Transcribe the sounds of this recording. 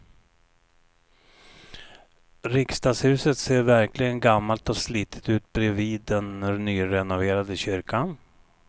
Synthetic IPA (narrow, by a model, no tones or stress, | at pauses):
ɾɪkst̪ɑːɡshʉ̟ːsət̪seːɾvæɾklɪɡənɡamːalt̪ɔsliːt̪ʰə̥t̪ʉ̟ːt̪̚bɾɛviːd̪ːɛnnyːɾɛnʊveːɾad̪əɕʏɾkan